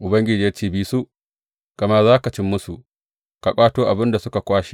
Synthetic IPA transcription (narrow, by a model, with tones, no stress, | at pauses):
ʔʊ˨bɐ˦ŋɡʲɪ˨d͡ʒiː˦jɐ˦t͡ʃiː˦biː˦su˦ʔ | kɐ˨mɐ˦zaː˦ka˨t͡ʃɪ˦mːʊ˦su˨ | ka˨kʷʼaː˦toː˦ʔa˨bɪ˦nda˨sʊ˦ka˨kʷaː˦ʃi̥˨